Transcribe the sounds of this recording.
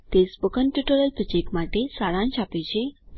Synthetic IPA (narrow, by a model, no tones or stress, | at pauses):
t̪espəkənʈuʈoɾəlpɾət͡ɕekmaʈesaɭãnɕapet͡ɕe